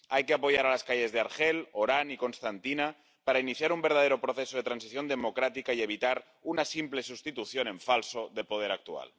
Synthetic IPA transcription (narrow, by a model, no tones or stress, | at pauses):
ajkeapojaɾalaskaje̞zðeaɾxeloɾaniko̞nst̪ant̪ina | paɾainiθjaɾumbeɾð̞að̞eɾopɾoθesoð̞et̪ɾansiθjo̞nd̪emokɾat̪ikaieβit̪aɾ | unasimple̞sust̪it̪uθjone̞ɱfalsoðelpoð̞eɾak̚t̪ua̰l